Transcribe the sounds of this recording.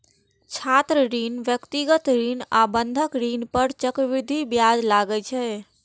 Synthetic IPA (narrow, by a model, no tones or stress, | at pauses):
t͡ʃʰat̪ɾəɾinʋjəkt̪iɡət̪ɾinabənd̪ʱəkɾinpəɾt͡ʃəkʋɪd̪ʱibjad͡ʒlaɡət͡ʃʰɛ